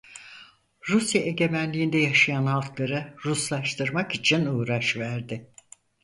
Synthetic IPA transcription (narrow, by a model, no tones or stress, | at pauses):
ɾusjaʔe̞ɟe̞mænlʲiːnd̪ɛjaʃajanalˠk̪lˠaɾɯɾuslˠaʃt̪ʰɯɾmakit͡ʃʰinuːɾaʃvæɾd̪ɪ